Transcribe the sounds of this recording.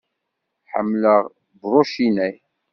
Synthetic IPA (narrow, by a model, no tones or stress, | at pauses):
ħə̰mːləʁ | bɾˤoʃinæj